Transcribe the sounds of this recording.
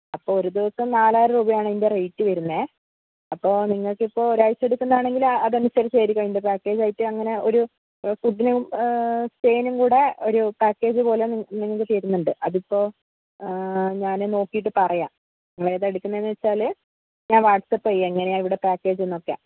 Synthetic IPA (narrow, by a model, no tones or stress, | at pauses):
ɐpːoːoɾud̪iʋɐsɐmnaːlaːjɾɐruːbɐjaːɳɨinde̞rejtːɨʋɐɾunːe | ɐpːo̞ːniŋːɐɭkipːo̞ːoɾajseɽukʲːunːɐðaːɳe̞ŋɡilɐðɐnusɐɾɐmɕeːɾikʲːɐindepaːkːe̞ːd͡ʑɐjitːɨɐŋːɐne̞o̞ɾu | fuɖːinu | steːjnumkuːɽe̞o̞ɾupaːkːe̞ːd͡ʑɨpo̞ːle̞niŋːɐɭkːɨteːɾunːuɳɖɨʔɐðipːo̞ː | ɲaːneno̞ːkːijiʈ̬ːɨpɐrɐjaː | ŋːɐɭeðeɽukʲːunːɐenːɨʋet͡ɕːaːlɨ | ɲaːnʋaːʈsɐpːɐjeŋːɐne̞jaːiʋiɽe̞paːkːe̞ːd͡ʑenːokːja̰ː